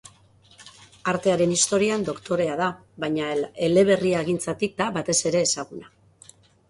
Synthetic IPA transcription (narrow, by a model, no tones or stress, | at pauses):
aɾt̪e̞aɾe̞nist̪o̞ɾiand̪o̞kt̪o̞ɾe̞aða | βajɲaele̞le̞β̞e̞riaɣ̞int͡sat̪ik̚d̪aβat̪e̞se̞ɾe̞ːsaɣ̞una